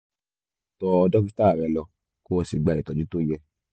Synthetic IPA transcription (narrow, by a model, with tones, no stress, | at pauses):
tɔ˧ɔ˧dɔ˦ki˧˦ta˦˨ɾɛ˧˨lɔ˧ | ko˦wɔ˧si˨ɡ͡ba˧˨i˨tɔ˨d͡ʒu˦to˦˨jɛ˧